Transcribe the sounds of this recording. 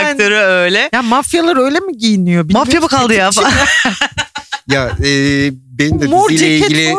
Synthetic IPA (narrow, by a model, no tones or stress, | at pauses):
k̪aɾɯø̞jlʲɛjamafjalˠaɾø̞jlʲemiɟijinijobimafjamɯkʰalˠd̪ɯjaːfa | jaɛːbenind̪ɛmuɾeileɟilʲi